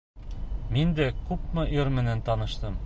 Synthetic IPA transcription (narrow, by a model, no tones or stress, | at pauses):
mind̪ækʉpmɤʔiɾmɘ̆nænt̪ɑnɤ̆ʃt̪ɤm